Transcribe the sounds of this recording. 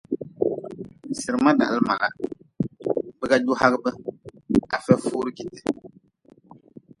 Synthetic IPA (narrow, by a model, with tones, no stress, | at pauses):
sɨ˨ɾɨ˨ma˦da̰˨ʔlɨ˦ma˨la˨ | bɨ˦ka˦d͡ʒu˦ha˦ɡɨ˦bɨ˦ | a˨fɛ˦fuː˦ɾɨ˦ki˨tɨ̥˨